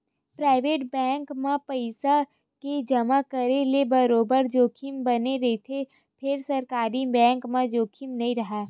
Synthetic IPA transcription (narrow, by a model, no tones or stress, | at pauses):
pɾaːɪʋeːʈbɛ̃ːŋkmẽpəɪsa | ked͡ʒɐmakəɾelebɐɾoːbəɾd͡ʒoːkʰimbɐneɾeet̪ʰe | pʰɪɾsɐɾkaːɾibɛ̃ːŋkmẽd͡ʒoːkʰimnɐɦĩɾɐɦaː